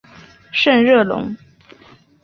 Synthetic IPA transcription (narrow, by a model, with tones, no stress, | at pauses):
ʂə˥˧nɻɤ˥˩lʊ̰˧˥ŋ